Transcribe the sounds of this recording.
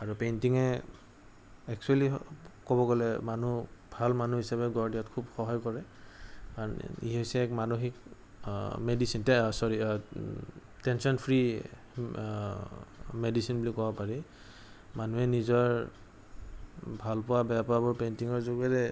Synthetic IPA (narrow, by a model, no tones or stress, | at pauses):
aɹupentiŋɛ | ɛkt͡ʃualikɔbɔɡɔlɛmanubʱalmanuɦisabɛɡɔɹdiatkʰubxɔɦɔjkɔɹɛkaɹɔn̰ḭɦojsɛːkmanoxik | medisintɛsɔɹi | tɛnsɔnpʰɹi | medisinbulikːɔbɔpaɹi | manuɛnizɔɹ | bʱalpʊwabɛjapabɔɹpentiŋɔɹzoɡɛɹɛ